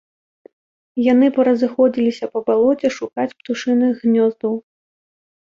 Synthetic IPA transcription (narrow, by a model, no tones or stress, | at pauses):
janɨpɐɾɐzɨxɔd͡zʲilʲisʲɐpɐbalˠɔt͡sʲɛʂukat͡sʲpt̪uʂɨnɨɣnʲɔzd̪ɐw